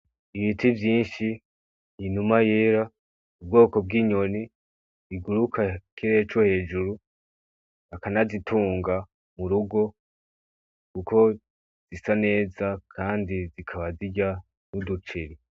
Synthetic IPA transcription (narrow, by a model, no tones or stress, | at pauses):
iβitʰivjiːnʃi | inumajeɾa | ub̚ɡo̞ːko̞b̚ɡiːɲo̞ni | iɡuɾukʰakʰiɾe̞ːt͡ʃohe̞ːd͡ʒuɾu | akanazitʰuːŋɡa | muɾuɡo̞ | kuko̞ | z̥isane̞ːzakʰaːndizikʰaβaziɟa | mudut͡ʃiɾi